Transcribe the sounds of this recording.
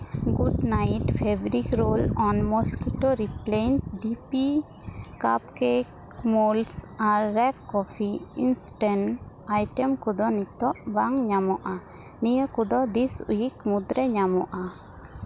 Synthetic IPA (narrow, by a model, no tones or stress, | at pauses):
ɡuɖnajʈpʰebɾikɾolɔnmɔskiʈoɾiplenʈɖipi | kapkek | molsaɾːɛkːɔpʰiinsʈɛɳ | ajʈɛmkud̪ɔnit̪ːɔʔbaŋɲamɔʔa | nijəkud̪ɔd̪isṵjikmud̪ɾɛɲamɔʔa